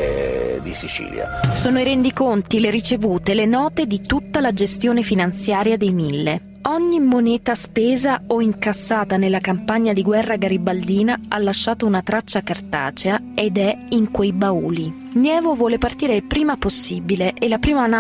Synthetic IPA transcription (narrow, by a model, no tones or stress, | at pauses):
d̪isit͡ʃḭːlja̰soːnoiɾɛnd̪ikont̪ileɾit͡ʃevuːt̪elenɔːt̪ed̪it̪ut̪ːalad͡ʒest̪joːnefinant̪sjaːɾjad̪ejmilːe | ɔɲːimoneːt̪aspeːzaoiŋkasːaːt̪anelːakampaɲːad̪iɡwɛrːaɡaɾibald̪iːnaʔalːaʃːaːt̪ounat̪ɾat͡ʃːakart̪a̰ːt͡ʃea | ed̪ɛiŋkwejbauːli | njɛːvovwɔːlepart̪iːɾepɾiːmaposːiːbileʔelːapɾiːman